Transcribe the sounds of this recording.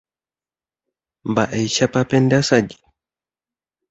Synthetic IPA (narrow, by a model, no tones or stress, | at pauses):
mbaʔɛjʃapapɛndasad͡ʒi